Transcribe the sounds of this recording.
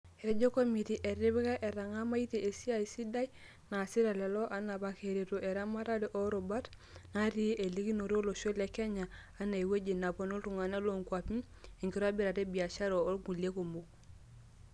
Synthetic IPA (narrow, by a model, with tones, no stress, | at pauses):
e˨ɾe˦d͡ʒo˦ko˦mi˨ti˨ʔe˨ɾi˦bka˦ʔe˨ɾa˨ŋa˦ma˦i˦te˨e˨si˦a˦˨i˨si˦da˦ji˦ | na˨si˦ɾa˨lɛ˨lɔ˦ʔa˦na˨pa˨ke˨ɾe˨to˨ʔe˨ɾa˦ma˦ɾa˦di˦ʔo˦ɾo˨ba˦t | na˦ɾi˦ʔe˨li˦ki˦no˨ɾo˦lo˨ʃo˦le˨˦kɛ˦ɲaː˨˦ | na˨i˨we˦d͡ʒe˨na˨po˦no˦lɾu˨ŋa˨na˦lo˨ŋkwa˨pi˦ | e˨ŋki˦ɾa˦bi˦ɾa˨te˦bi˨a˨t͡ʃa˦ɾoː˨˦lɡu˨le˦ko˨mo˨k